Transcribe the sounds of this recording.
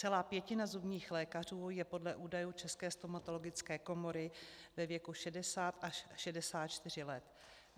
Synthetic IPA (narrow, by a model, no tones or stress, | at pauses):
t͡sɛlaːpjɛcɪnazubɲiːxlɛːkar̝uːjɛpo̞dlɛʔuːdajuːt͡ʃɛskɛːst̪o̞mat̪o̞lo̞ɡɪt͡skɛːko̞mo̞ɾɪvɛvjɛkuʃɛdɛsaːt̪ʔaʃʃɛdɛsaːt̪̚t͡ʃt̪ɪr̝ɪlɛt̪